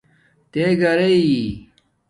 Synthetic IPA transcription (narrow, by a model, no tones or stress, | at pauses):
t̪eɡɐɾei